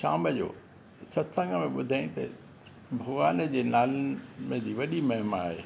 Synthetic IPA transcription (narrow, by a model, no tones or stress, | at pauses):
ʃaːməd͡ʑo̰ː | sɐt̪sə̃ŋɡəmẽɓʊd̪ʱaːĩt̪ɐ̰ | bʱɐʋaːnə̆d͡ʑeːnaːlmẽd͡ʑiːʋɐɗimɐɦɪmaaːɦeː